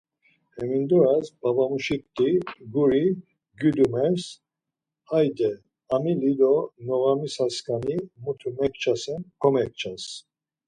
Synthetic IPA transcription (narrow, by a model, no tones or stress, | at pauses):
hɛmind̪ɔɾasbabamuʃikt̪iɡuɾi | ɡyd̪umɛɾs | hajd̪ɛ | amilid̪ɔnɔɣamisaskʰanimut̪ʰumɛk̚ʰt͡ʃʰasɛnkʰɔmɛk̚t͡ʃʰas